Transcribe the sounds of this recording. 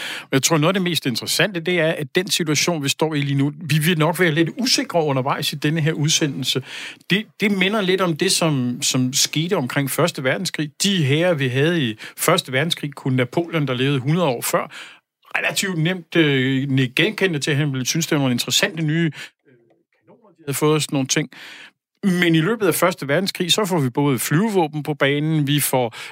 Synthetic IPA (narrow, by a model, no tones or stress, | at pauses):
ɒjɑ̈ɪt͡sʰʁo̝̰noðˠɐd̥eme̝̰ːsd̥e̝nd̥ʁəsæn̰d̥əd̥e̝æɐʔæd̥ensit͡sʰuæɕo̝̰ːnʋisd̥ɒ̰ːiliːnuʋiʋilnɒ̽ɡ̥ʋæːɐle̝d̥use̝ɡ̥ʁɐɔ̽nɐʋɑ̈ɪ̰sid̥enəɦeɐ̰uð̞ˠsen̰l̩səd̥e̝d̥e̝me̝nɐle̝d̥ɒ̽md̥e̝sɒ̽msɒ̽msɡ̥e̝ːd̥əɒ̽mkʰʁeŋ̰fɶɐsd̥əʋæɐd̥n̩skʰʁḭːd̥iɦeːɐʋiɦæð̞̩ˠifɶɐsd̥əʋæɐd̥n̩skʰʁḭːkʰunːæpʰo̝̰ːlɐnd̥ɑ̈le̝ːʊð̩ˠɦunɐð̩ˠɒ̰ːfɶɐ̰ | ʁelæt͡sʰiʊd̥nem̰d̥neɡ̥enkʰen̰d̥ət͡sʰe̝ɦænʋlsynsd̥e̝ʋɑno̝ːne̝nd̥ʁesæn̰d̥ənyː | kʰæno̝̰ːnɐd̥ihæðˠfɔ̽ːð̩ˠsno̝ːn̩t͡sʰe̝ŋ̰ | menilø̰ːb̥ð̩ˠæfɶɐsd̥əʋæɐd̥n̩skʰʁḭːsɒ̽fɒʋib̥ɔ̽ːð̞ˠflyːʊʋɔ̰̽ːb̥n̩pʰɒ̽b̥ɛːnn̩ʋifɒ